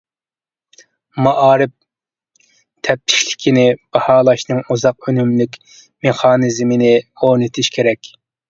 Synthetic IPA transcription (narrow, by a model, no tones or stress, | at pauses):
mɑʔɑːɾɪp̚ | t̪ʰɛp̚t̪ʰɪ̥ʃʲlɪ̥kʲʰinɪb̥ɑhɑːlˠɑʃnɨŋuzɑq̚ønymlɪkʲ | meχɑːnɨzmɪnɪonɨt̪ʰɪʃkʲʰeɾɛkʲ